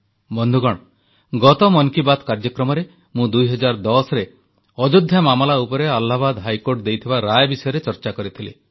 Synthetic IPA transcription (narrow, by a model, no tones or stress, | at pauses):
bɔnd̪ʱuɡɔɽ̃ | ɡɔt̪ɔmɔnkibat̪ʰkaɾd͡ʒɔkɾɔmɔɾe | mũd̪ujɦɔd͡ʒaɾd̪ɔsɔɾe | ɔd͡ʒud̪ʱjamamɔlaupɔɾealːabad̪ɦajkoɾʈd̪ejt̪ʰibaɾajbisɔjɔɾet͡ʃɔɾt͡ʃakɔɾit̪ʰili